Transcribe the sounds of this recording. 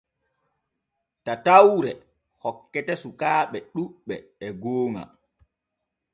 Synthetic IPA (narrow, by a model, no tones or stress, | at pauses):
tatawɾɛ | hɔkːɛtɛsukaːɓɛɗuɓɓːɛɛɡoːŋa̰